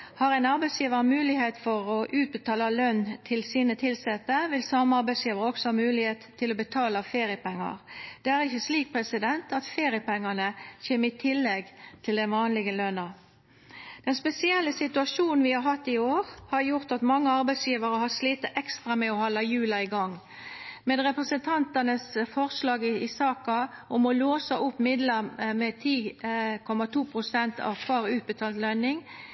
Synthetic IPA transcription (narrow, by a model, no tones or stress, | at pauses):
hɑʁɛnɑɾbæɪsjiːʋəʁmʉːlɪheːt̪fɔʁɔʔʉːt̪̚bət̪ʰɑːlɑlœnt̪ʰɪlsiːnət̪ʰɪlsɛt̪ːəʋɪlsɑmɑɾbæɪsjiːʋəʁəɔksɔhɑmʉːlɪheːt̪ʰːɪlɔbət̪ʰɑːlɑfeːʁɪəpɛŋːɑ̰ʁd̪̥ɛæɾɪçːəsliːk̚pʰʁɛsɪd̪ɛnt̪ɑt̪feːʁɪəpɛŋːɑnəçeːməɪt̪ʰɪlːɛɡt̪ʰɪld̪ɛnʋɑːnlɪɡəlœnɑ | d̪̥ɛnspɛsɪɛlːəsɪt̪ʉɑʂuːnn̩ʋɪhɑɾɦɑt̪ːɪoːɾhɑɾjʊʁt̪ɑt̪mɑŋːəɑɾbæɪsjiːʋəɾəhɑsliːt̪ɑɛkst̪ʁɑmɛɔhɔlːɑjʉːlɑɪɡɑŋː | mɛd̪ʁɛpɾəsənt̪ʰɑnt̪ənəsfɔʁslɑːɡɪɪsɑːkɑʔʊmɔloːsɑʔʊpːmɪd̪lɑmɛt̪ʰiːkʰɔmɑt̪ʰuːpʰʁʊsɛnt̪ʰɑ̰ʋkʰʋɑːʁʉːt̪̚bət̪ʰɑːlt̪lœnɪŋ